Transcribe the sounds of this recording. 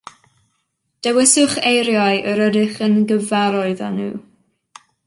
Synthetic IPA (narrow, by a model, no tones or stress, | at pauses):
d̥ɛwɪsʊχejɾjaɨʔəɾədɪχənɡəvaɾɔɨðanṵː